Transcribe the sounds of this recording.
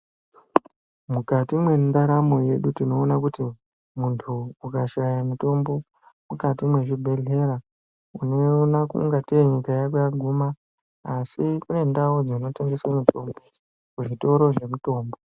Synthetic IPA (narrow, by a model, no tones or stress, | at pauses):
mukatimwe̞ndaɾamo̞je̞ɗutino̞ːnakuti | muntʰuukaʃajamuto̞mbo̞ | mukatimwe̞ʐibʱe̞ɮe̞ɾa | uno̞nakṵŋɡatire̞ɲikajakojaɡʱuma | asikune̞ndawod͡zoino̞teŋɡeswamitombe | kuʐito̞ɾo̞ʐe̞muto̞ːmbo̞